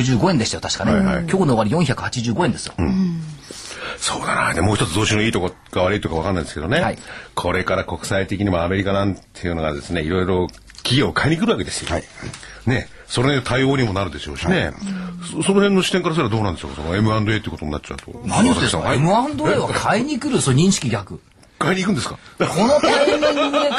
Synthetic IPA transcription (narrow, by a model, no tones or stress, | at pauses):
ɯʑɨːɡo̞ẽ̞nd̪est̪jot̪aɕi̥kaneaiha̰ikʲoːnoːβaɾʲijõ̞çakɯ̟̥hat͡ɕiʑɨːɡo̞end̪e̞sɨjo̰ɯ̟̃ɴ | soːd̪anad̪emoːçit̪t͡sɨzoːɕino̞iːt̪o̞ko | ɡ̥aβaɾɯ̟it̪o̞kaβakanːaĩd̪esɨ̥ke̞d̪o̞ne̞aikʰo̞ɾe̞kaɾako̞kɯ̟̥sait̪e̞kʲiɲ̟imoame̞ɾʲikanãnt̪ʰːe̞jɯ̟no̞ɡad̪e̞sɨne̞iɾo̞iɾo̞ | kʲiɡʲeokʰaiɲ̟ikɯ̟ɾɯ̟βake̞d̪e̞sɨ̥aine̞ | soɾeet̪ʰaio̞ːɲ̟imo̞naɾɯ̟d̪e̞ɕo̞ːɕine̞osonohẽnːo̞ɕi̥t̪ẽ̞ŋkaɾasoɾead̪oːnãnd̪eʃoːkasonoe̞mɯ̟ãnd̪o̞et̪eiɯkot̪onnːat͡ɕt͡ɕa̰ɯ̟t̪oaaamɯ̟ãnd̪oeːβakʰaiɲikɯɾɯ̟soɲ̟ĩɰ̃ɕi̥kʲiɡʲakɯ̟ | kaiɲ̟ʲikɯ̟nd̪e̞sɨ̥ka̰kono